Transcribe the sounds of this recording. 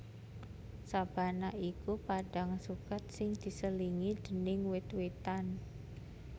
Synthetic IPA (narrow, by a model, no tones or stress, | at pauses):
sab̥a̤naʔikupaɖ̥aŋsukat̪̚sɪŋd̪̥i̤səliŋid̪̥ə̤nɪŋwɪt̪wet̪an